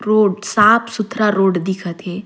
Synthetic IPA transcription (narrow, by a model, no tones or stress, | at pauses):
ɾoːɽsaːpʰsʊt̪ʰɾaɾoːɖd̪ɪkʰət̪ɦɛː